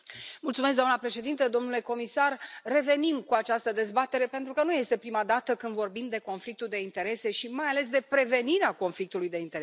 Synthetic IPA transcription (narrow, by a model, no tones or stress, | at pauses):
mult̪sumes̬ɡd̪amnəpɾe̞ʃe̞d̪int̪əd̪o̞mnule̞ko̞misarːe̞ve̞nimkuat͡ʃast̪əd̪e̞zbat̪e̞ɾe̞pe̞nt̪ɾukənuje̞st̪e̞pɾimad̪at̪əkɨnd̪vo̞rbimd̪e̞ko̞nflik̚t̪uld̪e̞int̪e̞ɾe̞se̞ʃimajale̞s̬d̪e̞pɾe̞ve̞niɾeako̞nflik̚t̪ulujd̪e̞int̪eɾe